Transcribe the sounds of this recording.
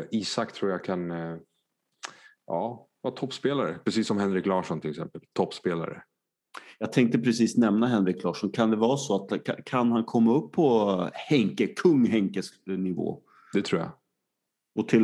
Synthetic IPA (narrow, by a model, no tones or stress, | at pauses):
iːsakt̪ʰɾuːjakʰan | ʔɑːvɑːt̪ʰɔpːspeːlaɾəpʰɾɛsiːsːɔmhɛnɾɪklɑːʂɔnt̪ʰɪlɛksɛ̰mpəlt̪ʰɔpːspeːla̰ɾə̰ | jɑːɡ̚t̪ʰɛŋk̚t̪əpʰɾɛsiːsnɛmnaɦɛnɾɪkːlɑːʂɔnkʰand̪ɛvɑːɾsɔat̪kʰa̰kʰanhankʰɔmːaɵpʰːɔhɛŋkəkʰɵŋːɦɛŋkəsnɪvo̰ː | d̪ɛt̪ʰɾuːja̰ | ɔt̪ʰɪl